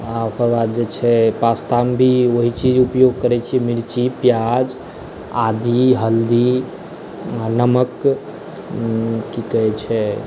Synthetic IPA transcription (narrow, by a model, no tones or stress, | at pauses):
ãokəɾbad̪̚d͡ʒet͡ʃʰɛpast̪ambʱioɦit͡ʃid͡ʒupjoɡ̚kəɾɛt͡ʃʰiɛmiɾt͡ʃipjad͡ʒ | ad̪ʱiɦəld̪i | anəmək | kikəɛt͡ʃʰɛ